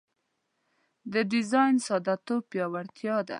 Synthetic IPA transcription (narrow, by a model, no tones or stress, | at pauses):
d̪əɖɪzɑjnsɑd̪at̪opjɑwaɽt̪jɑd̪a̰